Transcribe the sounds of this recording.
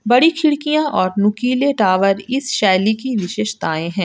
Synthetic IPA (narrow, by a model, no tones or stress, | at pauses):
bɐɽikʰɪɽkijãʔɔːɾnʊkiːleʈaːʋəɾɪsʃɛːlikiʋɪʃeːʃt̪aːẽɦɛ̃ː